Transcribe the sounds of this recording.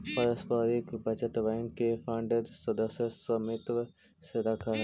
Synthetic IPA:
pɐɾəspaːɾikbʱɐt͡ʃət̪ʋɛ̃ːŋkːefãʊɳɖedsɐd̪əsjəsɐmɪt̪ʋ | seɾɐkʰa

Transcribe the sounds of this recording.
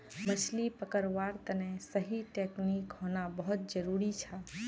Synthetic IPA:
mət͡ʃʰlipəkəɾʋaːɾt̪ənɛ̃səɦiʈeknikɦoːnabəɦʊt̪̚d͡ʒəɾuːɾit͡ʃʰa

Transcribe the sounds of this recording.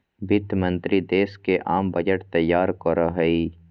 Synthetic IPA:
bɪt̪mɐ̃nt̪ɾid̪eːskeʔaːmbɐd͡ʒəʈt̪ɐjːaːɾkɔɾaɦəiː

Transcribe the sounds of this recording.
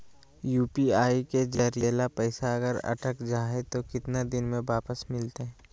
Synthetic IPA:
juːpiaːiked͡ʒɐɾjeːlapɛɪsaɐɡəɾɐ̰ʈʰəkd͡ʒaːet̪okɪt̪nad̪ɪnmẽʋaːpəsmɪlt̪eɦɛ̃ː

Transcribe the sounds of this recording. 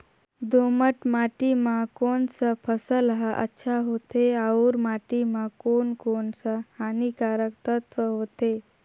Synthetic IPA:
d̪oməʈmaʈimakoɳsapʰəsəlɦaʔə̰tːɕʰaɦot̪eauɾmaʈimakonkoɳsahanikaɾək̚t̪ət̪ʋəɦot̪e

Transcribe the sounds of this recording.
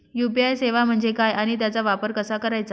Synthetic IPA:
jupiajseʋam̤əɳd͡zekajʔaɽ̃it̪jat͡saʋapəɾkəsakəɾajt͡sa

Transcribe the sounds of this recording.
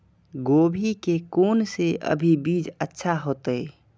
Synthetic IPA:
ɡoːbʱikekoːnseʔə̰bʱibiːd͡ʒətːʃʰaɦoːt̪əe

